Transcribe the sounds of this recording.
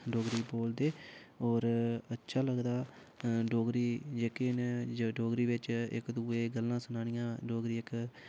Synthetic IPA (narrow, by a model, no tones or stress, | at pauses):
ɖoːɡɾiːboːld̪eːɔːɾətːʃʰaːləɡd̪aː | ɖoːɡɾiːd͡ʒeːkenɖoːɡɾiːʋɪt͡ʃɪ̰kd̪uːeːɡəlːãːsənaːnɪjãːɖoːɡɾiːɪk